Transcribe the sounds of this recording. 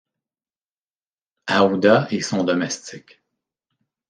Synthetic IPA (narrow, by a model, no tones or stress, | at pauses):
aud̪aesɔ̃d̪ɔmɛst͡sɪk